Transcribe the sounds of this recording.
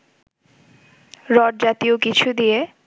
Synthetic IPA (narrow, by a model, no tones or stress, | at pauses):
ɾɔʈ̚d͡ʑat̪iokit͡ɕʰud̪ije